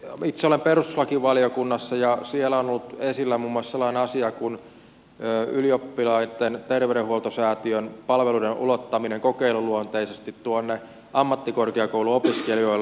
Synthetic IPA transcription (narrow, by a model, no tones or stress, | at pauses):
it̪seolemperust̪u̥slɑkiʋɑliokunːɑsːɑjɑsielæonolːut̪esilːæmumːuoɑsselːɑineɑsiɑkun | øːyliopːilɑit̪ent̪erʋeɾehuolt̪osæːt̪iønpɑlʋeludenʔṵlot̪ːɑmineŋkokeiluluont̪eisest̪it̪tuonːe | ʔɑmːɑt̪ːikorkeɑkouluopiskelioil